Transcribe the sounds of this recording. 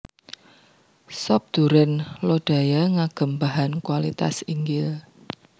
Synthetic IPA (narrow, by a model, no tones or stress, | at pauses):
sɔp̚d̪̥uɾənloɖ̥a̤jaŋaɡ̥ə̤mbaɦankwalit̪a̰siŋɡɪl